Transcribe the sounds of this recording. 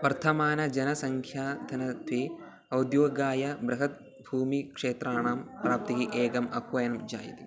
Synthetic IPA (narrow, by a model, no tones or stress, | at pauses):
ʋɐɾt̪ʰɐmaːnɐd͡ʒɐnɐsɐŋkʰjaːd̪ʰʱɐnɐd̪ʋeː | ɐwd̪joːɡaːjɐbɾɐɦɐt̪̚ | bʱuːmikʂeːt̪ɾaːɳaːmpɾaːp̚t̪iɦiʔeːɡɐmɐhʋɐjɐnɐmd͡ʒa̰ːjḭt̪i